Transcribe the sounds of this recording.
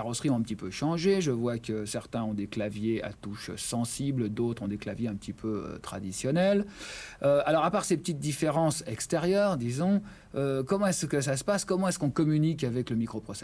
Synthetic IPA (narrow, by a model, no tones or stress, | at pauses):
aʁɔsχiɔ̃t̪ɛ̃pət̪ipøʃɑ̃ʒeʒəvwakəsɛʁt̪ɛ̃ɔ̃d̪eklavjea̰t̪uʃsɑ̃sibld̪ot̪χɔ̃d̪eklavjeɛ̃pət̪ipʰøø̰t̪χad̪isjɔnɛløalɔʁapaʁsepət̪it̪̚d̪ifeʁɑ̃sɛkst̪eʁjœːʁd̪izɔ̃ | økɔmɑ̃ɛskəsasə̥paskɔmɑ̃ɛskɔ̃kɔmynikavɛkləmikχopχɔsɛ